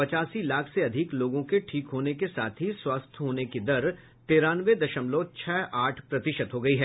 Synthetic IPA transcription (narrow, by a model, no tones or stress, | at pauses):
pɐt͡ʃaːsilaːkʰseɐd̪ʱɪkloːɡõkeʈʰiːkɦoːnekesaːt̪ʰɦiswaːst̪ʰɦoːnekid̪ɐɾ | t̪eːɾaːnʋed̪ɐʃəmloːt͡ʃʰɛːʔaːʈʰpɾɐt̪ɪʃət̪ɦoɡɐiɦɛː